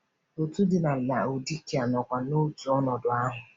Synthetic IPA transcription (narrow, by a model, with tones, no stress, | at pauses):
o˨tu˦dɪ˨na˨la˨o˨di˦ki˨a˨nɔ˨kʷa˨no˦tu˨ɔ˦nɔ˨dʊ˨a˦ɦʊ˨